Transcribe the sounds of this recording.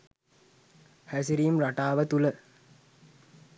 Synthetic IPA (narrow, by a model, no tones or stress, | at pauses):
hæs̬iɾimraʈaːʋət̪ulə